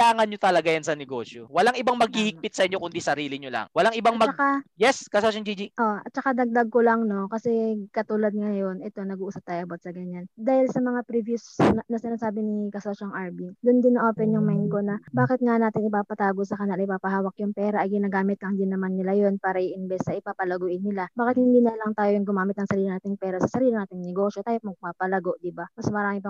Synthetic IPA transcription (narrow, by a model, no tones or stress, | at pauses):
aːŋɐnɲot̪ɐlɐɡajansɐnɛɡo̞̰ːʃjowɐlaŋʔɪbaŋmɐɡ̚hihɪɡ̚pɪt̪̚sɐʔɪɲːokʊnd̪isɐɾiːlɪɲolɐ̰ŋwɐlaŋʔɪbaŋmɐkajɛskɐsoʃoŋd͡ʒid͡ʒiʔo̞ʔɐt̪̚t͡ʃɐkad̪ɐɡ̚d̪aɡ̚kolɐŋno̞kɐsɛkɐt̪uːlɐd̪̚ŋɐjo̞nʔɛt̪o̞nɐɡuʔuːsɐp̚t̪aːjʊʔɐbot̪̚sɐɡɐɲand̪aːhɪlsɐmɐŋapɾivjʊsnɐsɪnaːsaːbɪnikɐsʊlɐsjoŋʔaɹbid̪ʊnd̪ɪnːɐʔoːpɛnjʊŋmajnko̞nɐbaːkɪt̪̚ŋanaːt̪ɪŋʔɪpaːpɐt̪aːɡosɐkɐɲalɐʔɪpaːpɐɦaːwɐkjʊŋpɛːɾɐʔɐjɡɪnaːɡaːmɪt̪lɐŋd̪ɪnːɐmanːɪlajo̞npaːɾɐʔiʔɪnbɛsːɐʔɪpaːpɐlɐɡuːʔɪnːɪlabaːkɪt̪hɪnd̪iːnɐlɐŋt̪aːjojʊŋɡʊmaːmɪt̪nɐŋsɐɾiːlɪnaːt̪ɪŋpɛːɾɐsɐsɐɾiːlɪnaːt̪ɪŋnɛɡo̞ːʃjot̪aːjomɐɡ̚papɐlɐɡo̞ʔd̪ɪbamɐsmɐɾaːmɪp